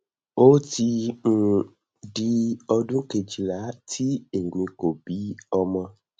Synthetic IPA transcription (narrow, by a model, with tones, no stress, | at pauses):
wo˦t̪i˧ŋũ˨ | ɖi˦ɔ˧ɖũ˦ke˨d͡ʒi˨la˨˦t̪ʰi˦e˨ŋɡũ˨ĩ˨ko˨bi˦ɔ˦mã˦